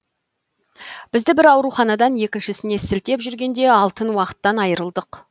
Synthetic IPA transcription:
b̥ɪzd̪ɪbɪɾɑwɾuχɑnɑd̪ɑnje̞kʲɪnʃɪsɪne̞sɪlt̪e̞pʒʏɾɡʲe̞nd̪e̞ɑlˠt̪ənwɑqə̥t̪ːɑnɑjəɾəlˠd̪əq

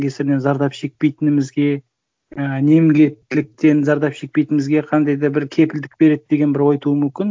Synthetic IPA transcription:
kʲʰe̞sɪɾne̞nzɑɾd̪ɑpʃe̞k̚pe̞jt̪ɪnɪmɪzɡʲe̞ | əne̞mɡʲe̞t̪ːɪlɪk̚t̪e̞nzɑɾd̪ɑpʃe̞k̚pejt̪ɪnmɪzɡʲe̞qʰɑnd̪ɑjd̪ɑbɪɾkʲʰe̞pɪld̪ɪk̚be̞ɾe̞d̪̚d̪e̞ɡʲe̞nbɪɾwojt̪uəmʏmkʲɪn

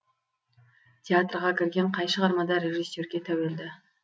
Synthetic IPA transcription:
t̪ʲeat̪rʁɑkʲʰɪɾɡʲe̞ɴqʰɑjʃəʁɑɾmɑd̪ɑɾʲeʒisːo̞ɾɡʲe̞t̪ʰæwe̞ld̪ɪ

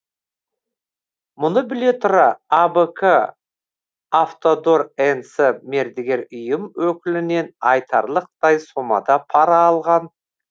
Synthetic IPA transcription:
mʊnəbɪle̞t̪ʰʊɾɑabəkʰə | aft̪o̞d̪o̞ɾensəme̞ɾd̪ɪɡʲe̞ɾʏjəmwɵkʲɪlɪne̞nɑjt̪ʰɑ̰ɾlˠəq̚d̪̥ɑjso̞mɑ̰d̪ɑpʰɑɾɑːlˠʁɑn

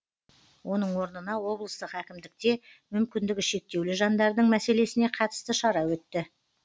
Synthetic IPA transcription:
wo̞nəɴwo̞ɾnənɑwo̞blˠəst̪əqækʲɪmd̪ɪk̚t̪e̞ | mʏmkʲɪnd̪ɪɡʲɪʃe̞k̚t̪e̞wlɪʒɑnd̪ɑɾd̪əɴmæse̞le̞sɪne̞qʰɑt̪ə̥st̪əʃɑɾɑwɵt̪ːɪ

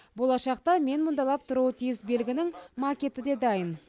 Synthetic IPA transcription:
bo̞lˠɑʃɑqt̪ɑme̞nmʊnd̪ɑlˠɑp̚t̪ʰʊɾuwət̪ʰijɪsbe̞lɡʲɪnɪŋmakʲe̞t̪ɪd̪e̞d̪ɑjən

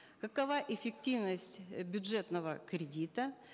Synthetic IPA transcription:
kɐkɐvaʔɪfʲɪk̚tʲivnəsʲtʲbʲʊdʐɛt̪nəvəkɾʲɪdʲit̪ə

